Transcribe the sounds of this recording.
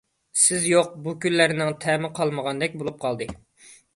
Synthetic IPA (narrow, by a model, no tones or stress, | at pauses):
sɪzjoq̚bukʲylːæɾnɪŋt̪ʰɛmɪqʰɑlˠməʁɑnd̪ɛk̚ʲbolˠup̚qʰɑlˠd̪ɨ